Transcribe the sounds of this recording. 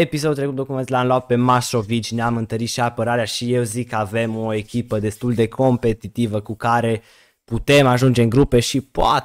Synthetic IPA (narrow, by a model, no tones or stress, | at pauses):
epis̬od̪ut̪ɾekut̪d̪o̞kument̪lamloapt̪̚pe̞maso̞vit͡ʃʲneamɨnt̪əɾit̪ʃiapəɾaɾeaʃije̞wzikːəave̞mo̞e̞kʲipəd̪e̞st̪uld̪e̞kʰo̞mpe̞t̪it̪ivəkukaɾe̞ | put̪e̞maʒund͡ʒe̞ɨŋɡɾupe̞ʃipoa̰